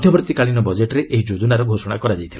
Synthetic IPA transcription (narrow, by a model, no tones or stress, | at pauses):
d̪ʱjɔbɾt̪ikaɭinɔbɔd͡ʒeʈɾeʔeɦid͡ʒod͡ʒunaɾɔɡʱosɔɽ̃akɔɾad͡ʒajt̪ʰila